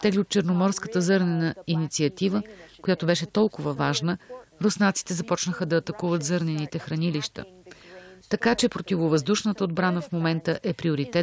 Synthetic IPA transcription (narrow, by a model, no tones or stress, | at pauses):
t̪ɛɡliot̪̚t͡ʃəɾnomɔɾskət̪əzɤɾnɛnəinit̪siɐt̪ivəkojat̪obɛʃɛt̪ɔlˠkʊvəvaʒnəɾosnat̪si̥t̪ɛzɐpɔt͡ʃnəxəd̪ɐːt̪ɐkuvət̪zɤɾnɛnit̪ɛxɾɐniliʃt̪ə̰ | t̪ɐkat͡ʃɛpɾot̪ivovəzd̪uʃnət̪əod̪bɾanəfmomɛnt̪əʔɛpɾioɾit̪ɛ